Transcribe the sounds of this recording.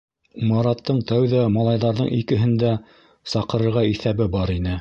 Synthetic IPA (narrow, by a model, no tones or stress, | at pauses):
mɑɾɑt̪ːɤɴt̪æwðæmɑlˠɑjðɑɾðɤɴikɘ̆ɦɘ̆nd̪æ | sɑqɤ̆ɾɤ̆ɾʁɑiθæβɘbɑɾinɘ